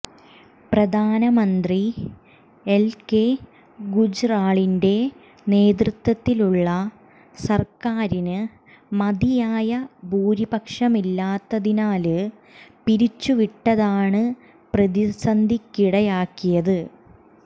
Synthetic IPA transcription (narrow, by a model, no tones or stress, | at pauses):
prɐd̪ʱaːnɐmɐnd̪ri | elke | ɡud͡ʑraːɭinde̞ | ne̞ːd̪rɨt̪ːwɐt̪ːiluɭːɐ | sɐrkaːɾinɨ | mɐd̪ijaːjɐbuːɾibɐkʂɐmilːaːt̪ːɐðinaːlɨ | piɾit͡ɕːuʋiʈːɐðaːɳɨ | prɐðisɐnd̪ʱikːiɽɐjaːkːijɐðɨ